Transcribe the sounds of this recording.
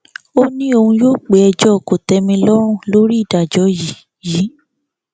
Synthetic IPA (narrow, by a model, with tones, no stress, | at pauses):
o˦nĩ˦o˧hũ˧joː˦˨k͡pe˨˦ɛ˧d͡ʒɔ˦˨ko˨tɛ˧mĩ˧lɔ̃˦ũ˦˨lo˦ɾi˦i˦˨da˨d͡ʒɔ˨˦ji˨˦ | jiː˨˦